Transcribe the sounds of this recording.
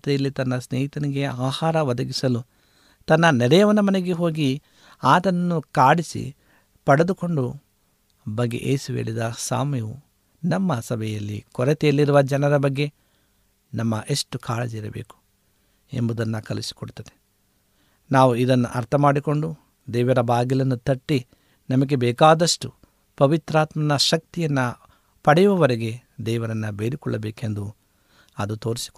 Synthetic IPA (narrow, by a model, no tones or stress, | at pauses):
t̪ɛjɐlːit̪ɐnːɐsneːjit̪ɐniɡe̞aːhaːɾɐʋɐd̪ɐɡisɐlu | t̪ɐnːɐnɛɾɛjɐʋɐnːɐmɐneɡe̞ɦo̞ːɡi | aːt̪ɐnnːukaːɽisḭ | pɐɽed̪uko̞ɳɖu | bɐɡːe̞̰ʔḛːsuʋeːɭid̪ɐsa̰ːmjeʋu | nɐmːɐsɐbɛjɐlːḭkɔɾɛt̪ɛjɐlːiɾuʋɐd͡ʒɐnɐɾɐbɐɡːe̞ | nɐmːɐʔeʂʈukaːɭɐd͡ʒɛɾɐbḛːku̥ | ḛmbud̪ɐnːɐkɐlisi̥koɽut̪ɐd̪e | naːʋuid̪ɐnːṵʔɐɾt̪ʰɐmaːɽiko̞ɳɖu | d̪ɛːʋɐɾɐbaːɡilɐnːut̪ɐʈːi | nɐmɐɡe̞bɛːkaːd̪ɐʂʈu | pɐʋit̪ɾaːt̪mɐnɐʃɐk̚t̪ijɐnːɐ | pɐɽɛjuʋɐʋɐɾeɡe̞d̪ɛːʋɐɾɐnːɐbeːɾikɔɭːɐbeːkend̪u | ɐd̪ut̪o̞ːɾisi̥k